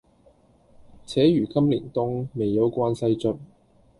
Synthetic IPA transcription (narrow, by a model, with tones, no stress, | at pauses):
t͡sʰɛː˨˥jyː˨˩kɐ˥mlḭː˨˩nt̪ʊ˥ŋme˨jːɐ˨˧wkʷaː˧nsɐ˧jt͡sɵ˨˧t̚